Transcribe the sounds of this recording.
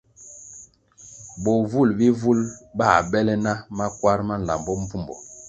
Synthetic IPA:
bo˨vu˦˨lbi˦vu˦lba˦˨bɛ˦lɛ˦na˦ma˦kwa˦ɾma˦n̩˨la̰˨mbɔ˦m̩˦pu˦mbɔ̰˨

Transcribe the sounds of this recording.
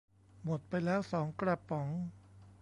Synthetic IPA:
mo˨˩t̪̚pa˧jlɛː˦˥wsɔː˩˦ŋkɾa˧˩pːɔ˩˦ŋ

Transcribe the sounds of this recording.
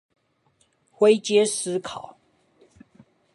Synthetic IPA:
xwe˦ɪt͡ɕjɛ˦s̩˦kʰɑ˨˦ʊ

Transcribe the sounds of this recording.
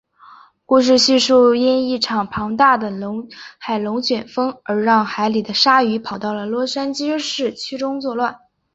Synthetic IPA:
ku˥˧ʂ̬ɻ̩˥˧ɕy˥˧ʂu˥˩i˥ni˥˩ʈ͡ʂʰɑ˨˩ŋpʰɑ˧˥ŋt̪a˥˩d̪ə˩lŋxa˨˩ɪlʊ˧˥ŋt͡ɕɥɛ˨˩nfɤ˥ŋə˞˧˥ɻɑ˥˩ŋxa˧˥ɪli˨˩d̪ə˦ʂa˥y˧˥pʰɑ˨˩ʊt̪ɑ˥˩ʊlə˩lwɔ˥ʂa˥nt͡ɕi˥ʂɻ̩˥˩t͡ɕʰy˥ʈ͡ʂʊ˥ŋt͡swɔ˥˧lwa˥˩n

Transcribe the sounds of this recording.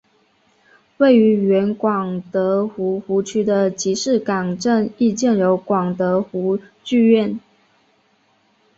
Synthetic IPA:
we˥˩ɪy˧˥ɥɛ˧˥nkwɑ˨˩ŋt̪ɤ˧˥xu˧˥xu˧˥t͡ɕʰy˥d̪ə˨t͡ɕi˧˥ʂɻ̩˥˩kɑ˨˩ŋʈ͡ʂə˥˧ni˥˧t͡ɕjɛ˥˨njo˧˥ʊkwɑ˨˩ŋt̪ɤ˧˥xu˧˥t͡ɕy˥˧ɥɛ˥˩n

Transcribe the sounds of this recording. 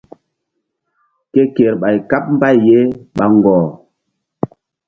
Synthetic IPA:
ke˦ke˨ɾɓa˨jka˦p̚m̩˦ba˦˨jːe˦ɓa˨ŋ˨ɡɔː˨

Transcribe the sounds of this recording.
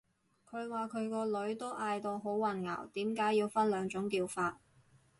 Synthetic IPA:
kʰɵ˨˧ɥwaː˨˩kʰɵ˨˧ɥkɔː˧lɵ˨˥ɥt̪o˥ʔaː˧jt̪o˨˧ɦo˨˥wːɐ˨˩nŋa̰ː˨˩wt̪iː˨˥mkaː˨˥jːiː˧wfɐ˥nlœː˨˧ŋt͡ʃʊ˨˥ŋkiː˧wfaː˧t̚

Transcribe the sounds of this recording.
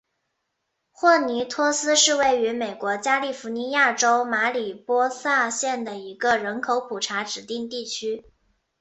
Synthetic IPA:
xwɔ˥˩ni˧˥t̪ʰwɔ˥sɹ̩˥ʂɻ̩˥˧we˥˩ɪy˧˥me˨˩ɪkwɔ˧˥t͡ɕja˥li˥˩fu˧˥ni˧˥ja˥˩ʈ͡ʂo˥ʊma˧˥li˨˩pwɔ˥sa˥˧ɕjɛ˥˩nd̪ə˩i˧˥ɡə˧ɻə˧˥nkʰo˧˥ʊpʰu˨˩ʈ͡ʂʰa˧˥ʈ͡ʂɻ̩˨˩t̪i˥˧ŋt̪i˥˩t͡ɕʰy˥

